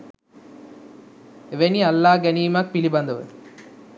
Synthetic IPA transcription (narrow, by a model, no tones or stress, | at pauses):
eʋenialːaːɡæniːmɐk̚pilibɐnd̪əʋə̰